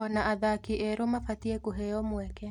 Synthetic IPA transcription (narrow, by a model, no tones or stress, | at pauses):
ɔnaʔaðakiʔɛɾomafatiɛkuɦɛjɔmwɛkɛ